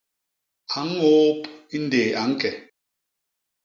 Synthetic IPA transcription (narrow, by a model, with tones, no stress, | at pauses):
a˨˦ŋ˦o˦pi˦n̩˦deː˨a˨˦ŋ̩˦kɛ˨